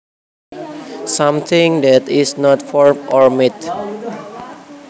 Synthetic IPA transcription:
sãmt̪ʰɪ̃ŋd̪ɛtɪsnɔtfɔɹmɔɹmit̪

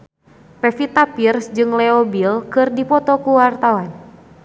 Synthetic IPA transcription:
pefit̪apirsd͡ʒɨŋleobilkɨrdipɔt̪ɔkuwart̪awan

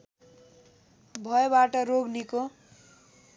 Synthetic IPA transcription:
bʱʌebaʈʌɾoɡniko

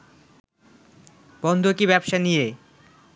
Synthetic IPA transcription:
bɔnd̪ʱokibɛbʃanije

